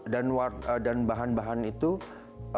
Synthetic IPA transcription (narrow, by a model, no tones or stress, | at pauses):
danwat̪ədanbaɦanbaɦanit̪u